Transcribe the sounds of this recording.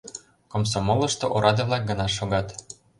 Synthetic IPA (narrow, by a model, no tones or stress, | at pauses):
koms̬omolɤ̆ʃt̪oʔoɾɑd̪ɤ̆βlˠɑk̚ɡɤ̆nɑʃ̬oɣɑt̪